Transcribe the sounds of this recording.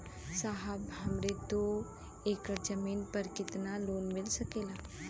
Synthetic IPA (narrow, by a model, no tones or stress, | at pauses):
saɦəbɦɐmɾet̪o | eːkəɾd͡ʒəmiːnpəɾkɪt̪naloːnmɪlsəkeːlaː